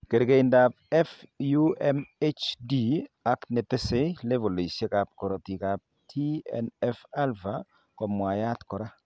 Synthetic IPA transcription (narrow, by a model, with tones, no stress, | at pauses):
ke˨ɾke˨inda˨p̚ɛ˦fju˦ɛ˦me˦t͡ʃdi˦a˦knɛ˨te˦se˦le˦vo˨le˨sje˦ka˨p̚kɔ˨ɾo˨ti˨ka˨p̚tʰi˦ɛ̰˨nɛ˦fa˦lva˨ | kɔ˨mwa˨ja˦tkɔ˨ɾa˦